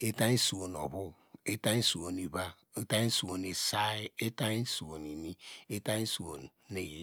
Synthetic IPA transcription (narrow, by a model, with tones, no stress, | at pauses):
e˦ta˦i˦su˨wo˨no̰˨βu˦ | e˦ta˦i˦su˨o˨ni˨ba˦ | e˦ta˦n˦su˨wo˨ne˨sa˦i˦e˦ta˦i˦su˨wo˨ni˨ni˦e˦ta˦su˨o˨n˨ne˨j